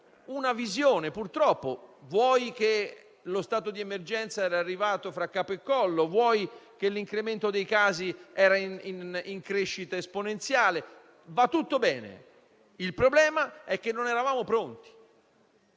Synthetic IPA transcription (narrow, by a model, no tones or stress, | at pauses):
unavizjoːnepurt̪ɾɔpːovwɔjk̟e | lost̪aːt̪od̪iemerd͡ʒɛnt̪saɛːɾaːrːivaːt̪ofɾakːaːpoekːɔlːovwɔjk̟elːiŋkɾement̪od̪ejkaːziɛːɾaniniŋkɾeʃːit̪aesponent̪sjaːle | vat̪ːut̪ːobɛːnḛ | ilpɾoblɛːmaɛk̟ːenːonɛɾavaːmopɾont̪i̥